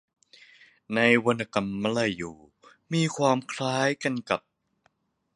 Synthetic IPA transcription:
na˧jwo˧nʔa˧˩ka˧˩mːa˧˩la˧˩jːuː˨˩ | miː˧kʰwaː˧mkʰlaː˦˥jka˧nka˨˩p̚

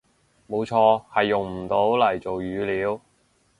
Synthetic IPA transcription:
mo˨˧wt͡ʃʰɔː˧hɐ˨jːʊ˨˩ŋm̩˨˩t̪o˨˥wlɐ˨˩jt͡so˨wjyː˨˧liː˨˥w

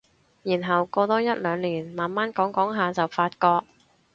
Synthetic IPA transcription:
jiː˨˩nɦɐ˨wko˧t̪ɔː˧jɐ˥t̚lœː˨˧ŋliː˨˩nmaː˨nmaː˥nkɔː˨˥ŋkɔː˨˥ŋɦaː˨t͡sɐ˨wfaː˧t̚kɔː˧k̚

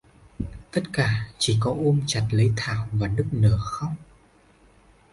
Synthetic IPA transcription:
t̪ə˦˥t̚kaː˧˩t͡ɕi˧˩kɔ˨˦ʔo˧mt͡ɕa˨˩t̚lə˨˦jt̪ʰaː˧˩wvaː˨˩nɨ˦˥k̚nəː˧˩xə˧wŋ͡m

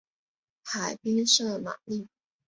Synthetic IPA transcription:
xa˨˩ɪpi˥ŋʂɤ˥˩ma̰˨˩li˥˩

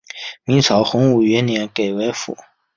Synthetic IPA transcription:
mi˧˥ŋt͡sʰɑ˨˧˥ʊxʊ˧˥ŋu˨˩ɥɛ˧˥njɛ˧˥nke˨˩ɪwe˧˥ɪfṵ˨˩˦

